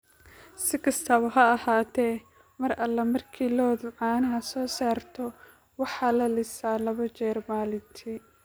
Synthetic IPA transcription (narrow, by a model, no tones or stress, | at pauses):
sɪkʰɐst̪ʰɐβɐɦɐɐhaːt̪ʰɛː | mɐrɐlːɐmɐrkʰiːlɔːðʊʕɑːnɐɦɐsɔːsaːrt̪ʰɔ | wɑħɑːlɐlɪsaːlɐβɐt͡ʃɛːrmaːlɪnt̪ʰi